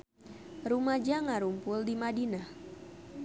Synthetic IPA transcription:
rumad͡ʒaŋaɾumpʊldimadina

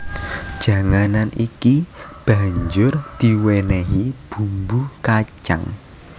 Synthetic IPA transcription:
ʒ̥a̤ŋananʔikib̥a̤ɲd͡ʒʊrd̪̥iwenɛɦib̥ṳmbukat͡ʃa̰ŋ

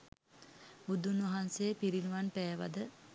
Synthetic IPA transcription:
bud̪unʋɐɦansepiɾinuʋanpæːʋa̰d̪ə

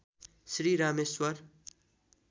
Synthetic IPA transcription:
sɾiːɾaːmeswɐɾ

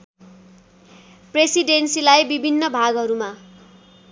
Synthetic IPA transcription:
presiɖensilajbibʱinːʌbʱaɡɦʌɾuma

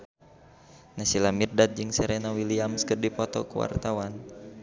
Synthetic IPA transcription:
nasilamirdat̪̚d͡ʒɨŋsɛɾɛnawiliamskɨrdipɔt̪ɔ̰kuwa̰rt̪awan

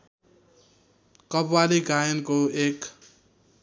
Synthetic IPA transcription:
kʌbwaliɡajʌnkoek

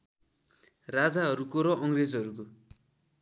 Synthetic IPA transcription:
rad͡zaɦʌɾukoɾʌʔʌŋred͡zɦʌɾuko

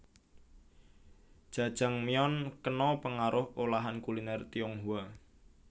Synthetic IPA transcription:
d̥ʒ̥a̤d̥ʒ̥a̤ŋmiɔnkənɔpəŋaɾʔʊholaɦankulinɛrt̪iɔŋɦua

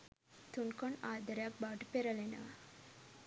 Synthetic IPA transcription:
t̪unkoɳaːd̪ɐɾjaːk̚baːʈpeɾɐlena̰

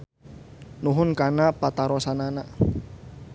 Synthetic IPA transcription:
nuɦʊnkanapat̪aɾɔsanana

